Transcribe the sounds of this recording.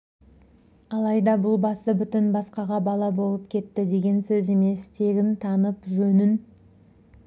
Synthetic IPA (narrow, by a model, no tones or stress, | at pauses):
ɑlˠɑjd̪ɑbʊlˠbɑsəbʏt̪ɪnbɑsqɑʁɑbɑlˠɑbo̞lˠəp̚kʲʰe̞t̪ːɪd̪e̞ɡʲe̞nsɵze̞me̞st̪ʰe̞ɡʲɪnt̪ʰɑnəpʒɵnɪn